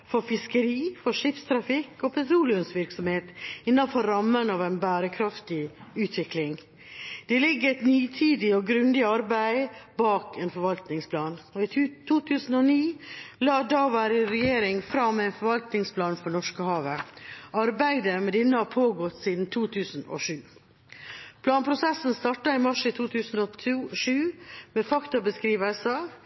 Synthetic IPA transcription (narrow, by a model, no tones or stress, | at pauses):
fɔɾfɪskəɾiːfɔʂɪfst̪ʰɾɑfɪkːɔpʰɛt̪ʰɾuːlɪʊnsʋɪɾksɔmheːt̪ɪnːɑnfɔɾːɑmːənɑʋæɪnbæːɾəkʰɾɑft̪ɪʉːt̪ʰʋɪklɪŋ | d̪̥ɛlɪɡːəɛt̪nyːt̪ʰiːd̪ɪɔɡɾʉnd̪ɪɑɾbæɪbɑːkʰɛːnfɔɾʋɑlt̪nɪŋspʰlɑːnɔɪt̪ʰuːt̪ʰʉːsən̩ɔniːlɑːd̪ɑːʋæːɾɪɾɛjeːɾɪŋfɾɑmːɛæɪnfɔɾʋɑlt̪nɪŋspʰlɑːnfɔɳɔʂkəhɑːʋəɑɾbæɪd̪əmɛd̪ɪnːəhɑpʰoːɡɔt̪ːsiːd̪n̩t̪ʰuːt̪ʰʉːsn̩o̰ʂʉː | pʰlɑːnpʰɾʊsɛsn̩st̪ɑʈɑɪmɑʂɪt̪ʰuːt̪ʰʉːsn̩ɔt̪ʰuʂʉːmefɑkt̪ʊbəskɾiːʋəsɑ